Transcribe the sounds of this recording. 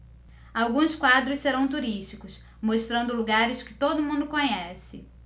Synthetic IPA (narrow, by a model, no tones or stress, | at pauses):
awɡũskwad̪ɾʊsseɾɐ̃w̃t̪uɾiʃt͡ʃikʊs | moʃt̪ɾɐ̃nd̪ʊluɡaɾɪskɪ̥t̪od̪ʊmũnd̪ʊkõɲɛsɪ